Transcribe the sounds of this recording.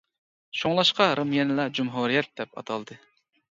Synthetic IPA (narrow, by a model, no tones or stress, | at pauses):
ʃoŋlˠɑʃqɑɾɨmjɛnɨlˠɑd͡ʒumɦuɾijɛt̪̚d̪ɛpɑ̰t̪ʰɑlˠd̪ɨ